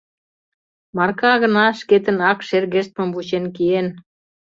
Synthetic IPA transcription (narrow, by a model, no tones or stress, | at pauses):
mɑrkɑɣə̆nɑʃket̪ənɑkʃerɣeʃt̪̚mə̆mvut͡ɕenkien